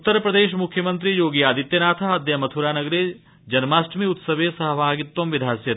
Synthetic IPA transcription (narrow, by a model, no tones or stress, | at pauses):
ut̪ːəɾpɾɐd̪eːʃmʊkʰjəmɐ̃nt̪ɾijoːɡijaːd̪it̪jɐnaːt̪ʰaɐd̪jɐmɐt̪ʰuɾaːnɐɡɾe | d͡ʒɐnmaːsʈmiʊt̪səʋesɐɦɐbʱaːɡɪt̪wɐmʋɪd̪ʱaːsjɐ